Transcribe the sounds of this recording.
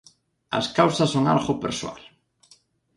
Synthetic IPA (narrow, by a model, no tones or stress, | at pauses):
ɐ̰skawsɐsoŋa̰ɾɣʊpeɾswa̰l